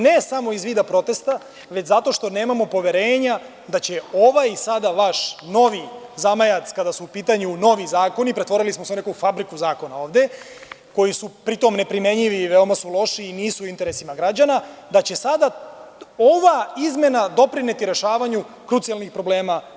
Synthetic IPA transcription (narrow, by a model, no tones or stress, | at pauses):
ne̞samoizʋiːd̪apɾo̞t̪e̞st̪a | ʋet͡ɕzat̪o̞ʃt̪o̞ne̞ːmamo̞po̞ʋe̞ɾeːɲa | d̪at͡ɕe̞o̞ʋajisad̪aʋaʃno̞ʋizamajat̪skad̪asuːpiːt̪aɲuno̞ʋizaːko̞nipɾe̞t̪ʋo̞ɾilismo̞seunekufabɾikuzaːko̞nao̞ːʋd̪e̞ | ko̞jisupɾit̪o̞mne̞pɾime̞ɲiʋiʋeo̞masulˠo̞ʃiːniːsuint̪eɾesimaɡɾad͡ʑanad̪at͡ɕe̞sad̪a | o̞ʋaizme̞nad̪o̞pɾinet̪iɾe̞ʃaːʋaɲu | kɾut̪sijalˠnixpɾo̞ble̞ːma